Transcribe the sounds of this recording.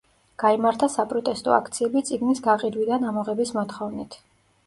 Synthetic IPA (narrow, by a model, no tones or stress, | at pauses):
ɡ̥aimaɾt̪ʰasapʼɾɔt̪ʼɛst̪ʼɔ̰a̰kʰt̪sʰiɛbit̪sʼiɡnisɡaqʼid̪wid̪anamɔʁɛbismɔt̪χɔvnit̪ʰ